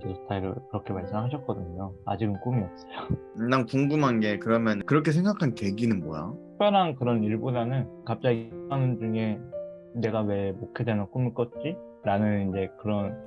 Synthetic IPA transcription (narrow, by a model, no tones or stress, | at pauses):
estʰaiɾɯkɯɾʌkʰe̞maɭs͈ɯmɦaɕʰʌt̚k͈ʌdɯɲoa̰d͡ʑiɡɯmk͈umiʌp̚s͈ʌjo | naŋkuŋɡumɦanɡe̞kɯɾʌmjʌnkɯɾʌkʰe̞s̬ʰe̞ŋɡakʰanke̞ɡinɯnboja̰ | pʰjʌɾɦankɯɾʌniɭbodanɯnkap̚t͡ɕ͈aɡianɯnd͡ʑuŋe̞ | ne̞ɡawe̞ɭmokʰedenok͈umik͈ʌt͡ɕ͈i | ɾanɯnind͡ʑe̞kɯɾʌn